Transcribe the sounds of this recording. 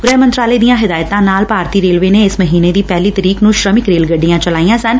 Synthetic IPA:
ɡɾɛːɦmə̃nt̪ɾaːleːd̪ijãːɦɪd̪aːjt̪ãːnaːlpaːɾt̪iːɾeːlʋeːneɪsməɦiːneːd̪iːpɛːliːt̪əɾiːknũːʃɾəmɪkɾeːlɡəɖːijãːt͡ʃəlaːijãːsən

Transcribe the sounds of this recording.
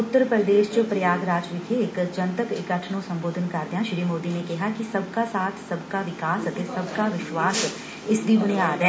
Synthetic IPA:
ʊt̪ːəɾpəɾd̪eːʃt͡ʃopɾəjaːɡɾaːd͡ʒʋɪkʰeɪkd͡ʒə̃nt̪əkɪkəʈʰɳõsɐ̃mboːd̪ʱənkɐɾd̪ijãʃɾiːmoːd̪inẽkɛɦakisɐb̚ʱkasaːt̪ʰsɐbkaʋɪkaːsɐt̪esɐbʱkaʋɪʃwaːs | ɪsd̪ibʊñeaːɾɛ

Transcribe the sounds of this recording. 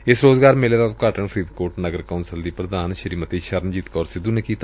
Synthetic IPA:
ɪsɾoːzɡaːɾmɪleːd̪at̪kaːʈəɳpʰɾiːd̪koːɾʈnəɡəɾkaʊnsəld̪iːpɾəd̪aːnʃəɾiːmət̪iːʃəɾnd͡ʒiːt̪kɔːɾsɪd̪unekiːt̪ː

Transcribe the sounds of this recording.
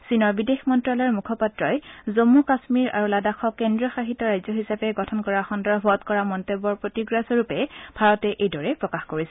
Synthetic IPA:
sinɔɹbidexmɔntɹalɛɹmukʰɔpatɹɔjzomːukasmiɹa̰ɹuladaxʰɔkendɹɔxaɦitːɔɹajzɔɦisapɛɡɔtʰɔnkɔɹaxɔndɔɹbʱɔtkɔɹamɔntebɔɹpɹotiɡɹasɔɹupɛbʱaɹɔtɛʔejdɔɹɛpɹɔkaxkoɹisɛ

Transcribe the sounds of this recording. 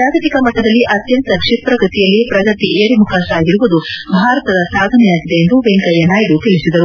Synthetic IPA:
aːɡɐt̪ikɐmɐʈ̪ːɐd̪ɐlːiʔɐt̪jɐnt̪ɐkʂipɾɐkɾit̪ijɐlːipɾɐɡɐt̪iʔeːɾimukʰaːʃaːɡiɾuʋud̪ubʱaːɾɐt̪ɐd̪ɐsaːd̪ʱɐnɛjaːɡid̪e̞end̪uʋeŋkɐjɐnaːjɖut̪eɭisid̪ɐɾu

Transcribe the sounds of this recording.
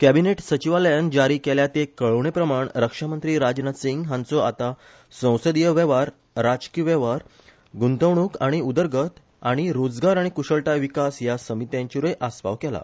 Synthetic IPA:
kæbineʈsət͡ɕiʋaləjand͡ʑaɾiːkɛljat̪ekəɭəʋɳepɾəmaɳɾəkʂamənt̪ɾiːɾad͡ʑnat̪siŋɡɦãnt͡sɔa̰t̪a | sə̃w̃səd̪ijəʋɛʋaɾː | ad͡ʑkiʋɛʋaɾ | ɡunt̪əʋɳukaɽ̃iud̪əɾɡət̪ | aɽ̃iɾod͡zɡaɾaɽ̃ikuɕəɭʈajʋikasjasəmit̪jãɲt͡ɕiɾəjʔasʋa̰ʋkɛla̰

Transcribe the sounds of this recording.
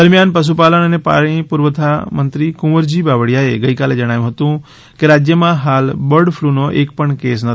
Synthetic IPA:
d̪əɾmijaːnpɐs̬upaːləñənepa̰ːɭ̃ĩpuɾʋət̪ʰamə̃nt̪ɾikʊməɾd͡ʑibaːʋəɽijaeɡəikaːled͡ʒɐɽ̃aːjũɦət̪ũ | keɾaːd͡ʒjəmãɦaːlbəɾɽpʰlunoʔeːk̚pəɳkeːs̬nɐ

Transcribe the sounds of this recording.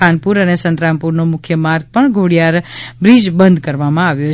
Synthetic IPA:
anpuɾənesə̃nt̪ɾãmpuɾnomʊkʰjəmaɾɡ̚pəɳɡʱoɽijaɾbɾid͡ʒbənd̪ʱkəɾʋamãaʋjo

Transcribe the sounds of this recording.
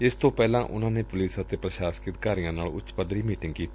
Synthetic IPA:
ɪst̪õːpɛːlãːʔʊ̰n̤ãːneːpʊliːsət̪eːpɾəʃaːskɾɪt̪kaːɾijãːnaːlʊ̰t͡ʃpəd̪ɾiːmiːʈɪ̃ŋɡkiːt̪iː

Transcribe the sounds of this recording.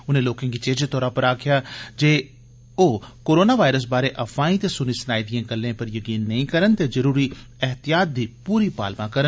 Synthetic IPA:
ʊnẽːloːkãːkit͡ʃẽːd͡ʒet̪ɔːɾãːpəɾaːkʰɪjaːd͡ʒeː | oːkoːɾoːnaːʋaːɪɾəs̬baːɾeʔɐfaːĩt̪esʊnisənaːid̪ɪjẽːɡəlːẽːpəɾjəkiːnːɐĩːkəɾənt̪eːzəɾuːɾiː | ɛɦt̪ɪjaːt̪̚d̪iːpuːɾipa̰ːlmãːkəɾən

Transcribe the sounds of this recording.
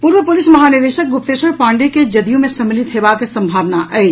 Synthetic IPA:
puːɾʋəpʊlɪsmɐɦaːnɪɾd̪eːʃək̚ɡʊp̚t̪eːʃəɾpãːɳɖeked͡ʒɐd̪ijõmẽsɐmɪlɪt̪ɦeːbakesɐ̃mbʱaːʋnaʔɛːd͡ʒ

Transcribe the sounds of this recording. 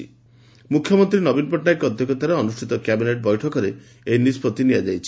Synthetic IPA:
ḭ | mukʰjɔmɔnt̪ɾinɔbinpɔʈnajkɔd̪ʱjɔkjɔt̪aɾeɔnuʃʈʰit̪ɔkjabineʈ̚bɔjʈʰɔkɔɾe | ejnispɔt̪iniad͡ʒajt͡ʃʰi̥

